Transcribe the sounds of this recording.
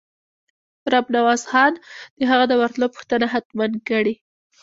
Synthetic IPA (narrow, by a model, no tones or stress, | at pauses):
ɾabnawɑzxɑnd̪̥əɦaɣad̪əwaɾt̪lopu̥xt̪ənaɦat̪mankəɽi